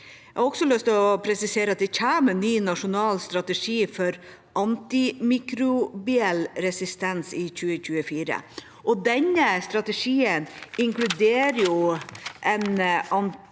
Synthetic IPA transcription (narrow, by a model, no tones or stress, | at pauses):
æhɑɾɔɡsɔlœst̪ɔpʰɾɛsɪseːɾəɑt̪̚d̪ɛçæːmənyːnɑʂʊnɑːlst̪ɾɑt̪əʂiːfɔɾ | ʔɑnt̪ɪmiːkɾʊbɪɛlɾɛsɪst̪ɛnsɪçʉːəçʉːəfiːɾə̰ | ʔɔd̪ɛɲəst̪ɾɑt̪əʂiːənɪŋklʉd̪eːɾjʊʔɛnɑn